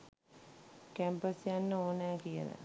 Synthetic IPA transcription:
kæmpəsjanːəoːnæːkijə̰lə̰

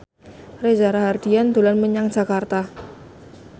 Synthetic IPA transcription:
rezaɾaɦardiand̪olanməɲaŋd͡ʒa̤kart̪a

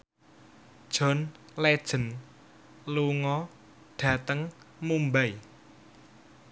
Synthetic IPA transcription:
d̥ʒ̥ɔ̤n | led̥ʒ̥ə̤n | luŋɔ | ɖ̥ä̤t̪əŋ | mumbai

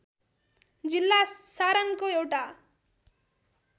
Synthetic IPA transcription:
d͡ʒilːasaːɾɐnkuewʈa

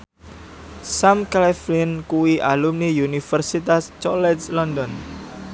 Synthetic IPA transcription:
samklɛflinkuwiʔalumnijunifərsit̪ast͡ʃɔlɛslɔnd̪ɔn

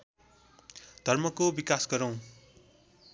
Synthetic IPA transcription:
d̪̥ʱʌrmʌkobikasɡʌɾʌw̃

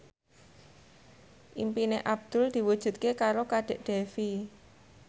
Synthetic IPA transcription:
ʔimpineʔab̚d̪̥ʊ̤ld̪̥i̤wud̥ʒ̥ṳt̪̚kekaɾokaɖ̥e̤ʔɖ̥e̤fi

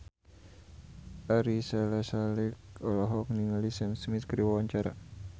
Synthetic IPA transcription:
aɾisalasalɛkɔlaɦɔk̚niŋalisɛmsmit̪̚kəɾiwawaɲt͡ʃaɾa̰

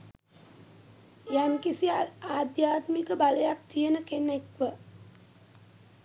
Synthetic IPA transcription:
jaŋkisiaːd̪jaːt̪mikəbaləjak̚t̪ijənəkenekʋə

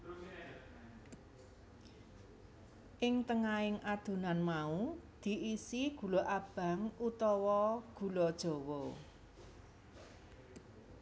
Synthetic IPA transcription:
ʔɪŋt̪əŋaɪŋʔad̪̥ṳnanmaud̪̥i̤ʔisiɡ̥ṳlɔʔab̥a̤ŋut̪ɔwɔɡ̥ṳlɔd̥ʒ̥ɔ̤wɔ

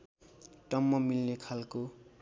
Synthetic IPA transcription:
ʈʌmːʌmilnekʰalko

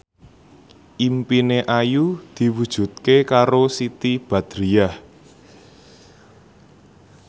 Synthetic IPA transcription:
ʔimpineʔajud̪̥i̤wud̥ʒ̥ṳt̪̚kekaɾosit̪ib̥a̤d̪̥ɾiah

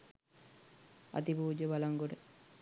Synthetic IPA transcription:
a̰t̪ibuːd͡ʒəbalaŋɡoɖə

